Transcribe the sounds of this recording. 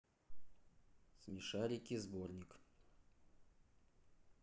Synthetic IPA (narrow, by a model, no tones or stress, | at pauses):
smʲɪʂaɾʲɪkʲizbo̞rnʲɪk